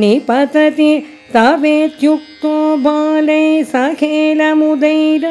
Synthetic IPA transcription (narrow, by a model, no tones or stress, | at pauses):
nipɐt̪ɐt̪i | t̪ɐʋeːt̪juk̚t̪oːbʱaːlɐjsɐkʰeːlɐmud̪ɐjɾɐ